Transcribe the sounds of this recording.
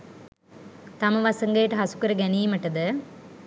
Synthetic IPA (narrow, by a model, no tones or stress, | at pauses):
t̪ɐmɐʋɐsɐŋɡeːʈɐɦɐsu̥kɐɾɐɡɛniːmɐʈːɐd̪ɨ